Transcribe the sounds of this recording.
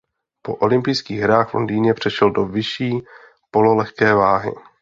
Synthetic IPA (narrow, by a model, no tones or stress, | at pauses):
po̞̰ʔo̞lɪmpɪjskiːɣɦɾaːxvlo̰ndiːnɲɛpr̝̥ɛʃɛldo̞vɪʃiː | po̞lolɛxkɛːvaːɦɪ̰